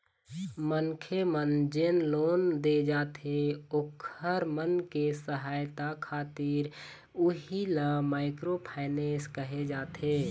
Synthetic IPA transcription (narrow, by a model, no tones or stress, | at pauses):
mənkʰemənd͡ʒeːnloːnd̪ed͡ʒaːt̪ʰeokʰəɾmənkesəɦaːjt̪akʰaːt̪iɾ | uɦilamaːɪkɾopʰaɪneːskəɦed͡ʒaːt̪ʰeː